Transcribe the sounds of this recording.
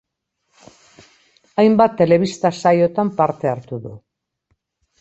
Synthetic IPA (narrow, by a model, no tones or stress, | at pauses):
ajmbat̪ːe̞le̞β̞ist̪asajo̞t̪ampaɾt̪e̞aɾt̪uðṵ